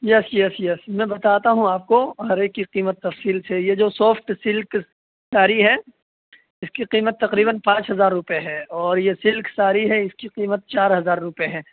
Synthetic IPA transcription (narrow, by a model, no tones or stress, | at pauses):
jɛsjɛsjɛsmɛ̃ːbɐt̪aːt̪aɦũaːp̚koɦɐɾeːkːiqiːmət̪ːɐfsiːlsejed͡ʒoːsɔːfʈsɪlk | saːɾiɦɛ | ɪskiqiːmət̪ːɐqɾiːbənpãːt͡ʃɦɐzaːɾːʊpeɦɛːɔːɾjesɪlksaːɾiɦɛɪskiqiːmət̪̚t͡ʃaːɾɦɐzaːɾːʊpeɦɛː